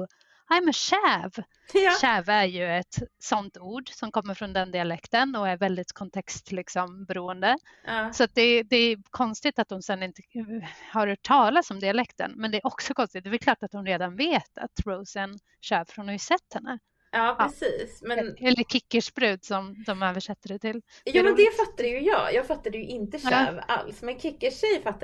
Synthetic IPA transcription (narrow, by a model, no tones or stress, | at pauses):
amɛnɕæːv | ɕæːvæɾjɵɛt̪sɔnt̪uːɖsɔmkʰɔmːəɾfɾɔnd̪ɛnd̪ɪalɛkt̪ənɔæɾvɛld̪ɪt̪kʰɔnt̪ʰɛkst̪lɪksɔmbɛɾuːənd̪ə | sɔat̪̚d̪ɛd̪ɛækʰɔnst̪ɪt̪at̪hʊnsɛnːɪnt̪ə̥haɾœʈʰːɑːlasɔmd̪ɪalɛkt̪ə̰nmɛnd̪ɛæɾɔksɔkʰɔnst̪ɪt̪d̪ɛvɛɾkʰlɑːʈat̪hʊnɾeːd̪anveːt̪ʰa̰t̪ɾoʊsən | ɕøːvfɾɔnhajsɛt̪ːhɛnːə | ɑːpɛsiːsmɛɛlːəɾkʰɪkːəʂbɾʉ̟ːd̪sɔmd̪ɔmøːvəʂɛt̪ːəɖɛt̪ʰɪl | jːmɛnd̪ɛfat̪ːad̪əjɵjɑ̰ːjɑːɡfat̪ːad̪əjɵʔɪnt̪əɕø̰ːva̰lsmɛnkʰɪkːəʂɛjfat̪ːa